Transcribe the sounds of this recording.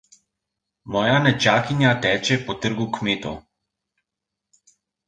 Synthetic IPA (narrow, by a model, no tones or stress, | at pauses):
mɔːjanɛt͡ʃaːkinjat̪ɛːt͡ʃɛpɔt̪əɾɡukmeːt̪ɔ̰